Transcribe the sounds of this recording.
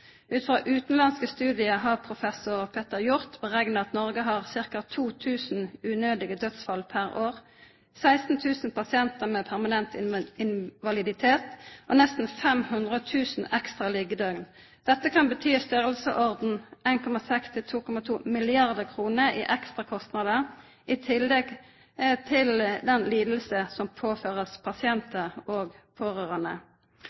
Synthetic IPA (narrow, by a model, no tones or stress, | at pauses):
ʉːt̪fʁɑːʔʉːt̪n̩lɑnskəst̪ʉːd̪ɪəɦɑʁpʰʁʊfɛsʊʁpʰeːt̪əʁjʊʁt̪bəʁɛɡnəɑt̪nɔʁɡəɦɑʁsɪʁkɑt̪ʰuːt̪ʰʉːsn̩ʉːnøːd̪ɪɡəd̪œt̪sfɑlpʰæʁoːʁ | sæɪst̪n̩t̪ʰʉːsn̩pɑsɪɛnt̪əʁmeːpʰæʁmɑnɛnt̪ɪɪnʋɑlɪd̪ɪt̪ʰeːt̪ʔonɛst̪n̩fɛmhʉnd̪ʁət̪ʰʉːsn̩ɛkst̪ʁɑlɪɡəd̪œɡn | d̪̥ɛt̪ːəkʰɑnbət̪ʰyːst̪øʁəlsəʔɔʁd̪n̩eɪnkʰɔmɑsɛkst̪ʰɪlt̪ʰuːkʰɔmɑt̪ʰuːmɪlɪɑʁd̪əkʰʁuːnəḭːʔɛkst̪ʁɑkʰɔst̪nɑd̪əʁ | ɪt̪ʰɪlɛɡ | t̪ʰɪld̪ɛnliːd̪l̩səsɔmpʰoːføːʁəspʰɑsɪɛnt̪əʁoːɡpʰoːʁøːʁɑnə̰